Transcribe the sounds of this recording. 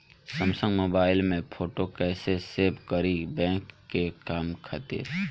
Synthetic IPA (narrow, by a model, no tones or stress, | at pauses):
sə̃msə̃ŋɡmoːbaːɪlmẽpʰoːʈokɛːseseːbkəɾibɛ̃ːkːekaːmkʰət̪ḛː